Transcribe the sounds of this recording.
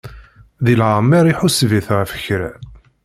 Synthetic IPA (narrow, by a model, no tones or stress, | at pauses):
ðilʕəmæɾiħusviθʁəfə̥çɾæ